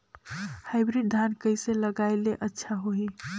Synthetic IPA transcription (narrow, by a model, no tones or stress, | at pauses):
haɪbɾiɖ̚d̪ʱankəɪseləɡaeleʔətːʃʰaɦoi